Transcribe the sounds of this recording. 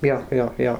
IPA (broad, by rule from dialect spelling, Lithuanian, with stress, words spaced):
ˈjoː ˈjoː ˈjoː